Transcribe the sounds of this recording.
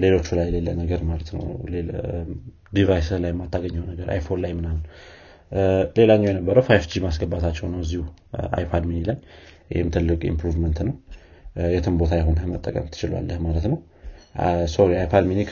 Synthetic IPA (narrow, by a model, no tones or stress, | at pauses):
le̞lo̞t͡ʃːulajɛlelːənəɡəɾmalət̪nə̰wle | d̪ivajslajɛmːat̪ʰːaɡəɲːəwnəɡəɾʔa̰jfonlajmɨnahun | le̞laɲːɛwjɛnəbːəɾəwfajfd͡ʒimasɡəbːat̪ʰat͡ʃːɛwnəwəzːihuʔa̰jpʰad̪minilaj | ɪhɪmt̪ʰɨlːɨkʼḭmpɾuvmənt̪nəw | jɛt̪ʰɨmbo̞t̪ʰajaɦunmət̪ʼːəkʼə̰mt̪ʰːɨt͡ʃɪlwa̰lːəhmalət̪nəw | soɾiajpʰad̪minik